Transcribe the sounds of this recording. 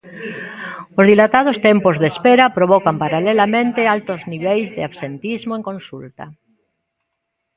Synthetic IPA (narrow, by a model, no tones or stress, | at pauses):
ozðilat̪að̞ost̪empozðespeɾapɾoβɔkampaɾalelamẽnt̪ealt̪ozniβ̞ejzðeaβsent̪izmoẽŋkõnsult̪a